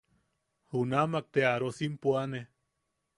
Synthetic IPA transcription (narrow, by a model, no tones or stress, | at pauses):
hunamak̚t̪eaɾosimpuane